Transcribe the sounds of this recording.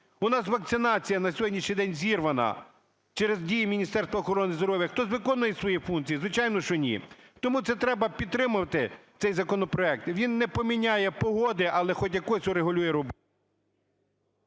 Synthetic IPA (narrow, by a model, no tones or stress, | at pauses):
ʊnɑs̬ʋɐk̚t̪sɪnɑt͡sʲijɐnɐsʲɔɦɔdʲnʲiʃɲʲijd̪ɛnʲzʲirʋɐnɐ̰ | t͡ʃɛɾezdʲijimʲinʲist̪ɛɾrst̪ʋɐːxɔɾɔnɪzd̪ɔɾɔʋʲjɐxt̪ɔzʋɪkɔnːʊjɛsʋɔjifunk̚t͡sʲijizʋɪt͡ʃɑjnɔʃɔnʲḭt̪ɔmut̪sɛt̪ɾɛbɐpʲid̪ɾɪmʊʋɐt̪ɪt̪sɛjzɐkɔnɔpɾɔɛk̚t̪ʋʲinːɛpɔmʲinʲajɛpɔɦɔd̪ɪʔɐlˠɛxɔtʲjɐkɔsʲʊɾeɦʊlʲujɛɾɔb